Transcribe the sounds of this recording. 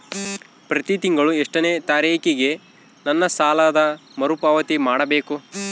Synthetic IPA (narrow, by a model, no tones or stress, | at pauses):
pɾɐt̪it̪iŋɡɐɭueʂʈɐneːt̪aːɾiːkiɡe̞ | nɐnːɐsaːlaːd̪ɐmɐɾupaːʋɐt̪imaːɽɐbe̞ːku